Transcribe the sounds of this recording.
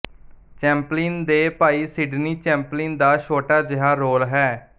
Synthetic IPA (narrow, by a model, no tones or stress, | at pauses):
t͡ʃɛ̃ːmpliːnd̪eːpaːiːsɪɖniːt͡ʃɛ̃ːmpliːnd̪aːʃʰoːʈaːd͡ʒɪɦaːɾoːlɦɛː